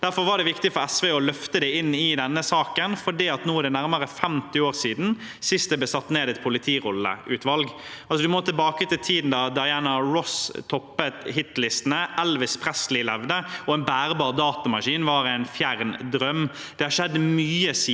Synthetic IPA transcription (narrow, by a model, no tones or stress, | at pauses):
d̪̥æɾfɔɾʋɑɖɛʋɪkt̪ɪfɔɾɛsʋeːɔlœft̪əd̪ɛɪnːɪd̪ɛnːəsɑːkənfɔɖiːɑt̪nuːd̪ɛnæɾməɾəfɛmt̪ɪoːɾsiːd̪n̩ | sɪst̪d̪ɛb̪ɛsɑt̪ːneːd̪ɛt̪̚pʰʊlɪt̪ʰiːɾɔlːə̰ʔʉːt̪ʋɑlɡɑlsɔd̪ʉmɔt̪ʰɪlbɑːkət̪ɪlt̪ʰiːd̪n̩d̪ɑd̪ɑɪæːnɑɹɔst̪ʰɔpːət̪ɦɪt̪lɪst̪ənəʔɛlʋɪspʰɾɛslɪlɛʋd̪əɔɛnbæːɾbɑːɾd̪ɑːt̪ɑmɑʂiːnʋɑɾæɪnfjæɾnd̪ɾœm | d̪̥ɛhɑʃɛd̪ːmyːəsiː